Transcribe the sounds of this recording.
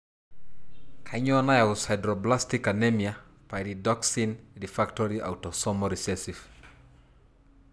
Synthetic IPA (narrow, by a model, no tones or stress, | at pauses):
kʰaɲɔnajaʊshajdɾɔblastikanemija | paididɔksindifaktɔɾia̰wtɔsɔmɔɾisesif